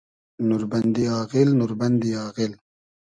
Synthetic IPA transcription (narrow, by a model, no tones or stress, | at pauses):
nuɾbɐnd̪iaːɣɪlnuɾbɐnd̪iaːɣɪl